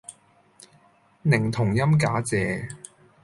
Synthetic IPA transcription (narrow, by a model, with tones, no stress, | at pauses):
nɪ˨˩ŋt̪ʰʊ˨˩ŋjɐ˥mkaː˨˥t͡sɛː˨